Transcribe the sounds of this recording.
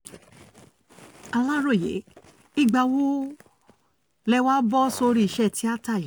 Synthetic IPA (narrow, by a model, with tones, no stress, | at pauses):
a˧la˦ɾo˦˨jḛ˨˦ | i˦˨ɡ͡ba˧wu˦ | lɛ˧˦wa˦bɔ˦so˧ɾi˧i˨ʃɛ˦˨ti˨˦a˦ta˦˨i˨˦